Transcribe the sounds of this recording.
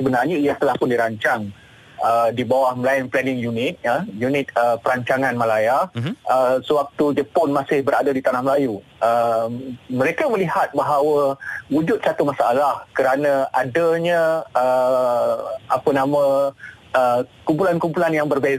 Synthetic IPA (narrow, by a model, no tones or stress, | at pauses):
səbənarɲaijat̪əlahpʊndiɾaɲt͡ʃaŋ | ədibawahməlaɪnplanɪŋjunɪt̪̚jajunɪt̪̚əpəɾaɲt͡ʃaŋãnmãlajahəsəwak̚t̪ud͡ʒəpɔnmasɪhbəɾadədit̪anahməlaju | ə | məɾekaməliɦat̪̚baɦawəwud͡ʒʊt̪̚t͡ʃat̪umasaʔalahkəɾanə̃adəɲə̃ə | apənamə̃ | əkumpulankumpulanjaŋbərba